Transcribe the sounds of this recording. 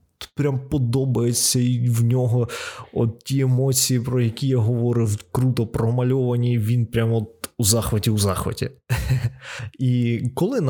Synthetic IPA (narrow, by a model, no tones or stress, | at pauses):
pɾʲampɔd̪ɔbɐjet͡sʲːɐiwnʲɔɦɔɔ̰t̪̚tʲiemɔt͡sʲijipɾɔjɐkʲijaɦɔʋɔɾɪwkɾut̪ɔpɾɔmɐlʲɔʋɐnʲiʋʲinpɾʲamɔt̪uzɑxʋɪtʲiuzɑxʋɪ̰tʲḭ | ikɔlˠɪn